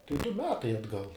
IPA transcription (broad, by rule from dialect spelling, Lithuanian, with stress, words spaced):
tɐɪ dʊ ˈmʲæːtɐɪ ɐdˈɡɐlˠ